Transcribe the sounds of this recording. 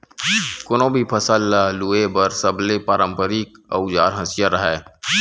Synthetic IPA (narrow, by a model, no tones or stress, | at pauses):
kʊnõbʱipʰəsəlːaluebəɾsəblepaːɾə̃mpəɾikə̰ʊd͡ʒa̰ːɾɦə̃sijaɾəɦɛː